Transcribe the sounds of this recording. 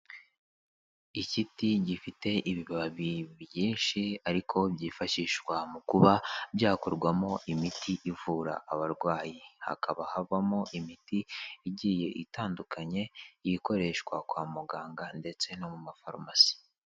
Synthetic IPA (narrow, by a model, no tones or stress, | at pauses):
icitiɟifite̞ʔiβiβaβaβiβjiːnʃiaɾikʰo̞bɟiːfaʃiːʃkwamukuβabɟaːkoɾɡwamo̞ʔimitʰiʔivuːɾa̰ʔːβaɾɡwaːjiha̰kʰaβahavamo̞ʔimitiːɟiːje̞ʔitaːndukaɲe̞jiko̞ɾe̞ʃkwakwaːmuɡaːŋɡande̞t͡se̞no̞mumafaɾmasi̥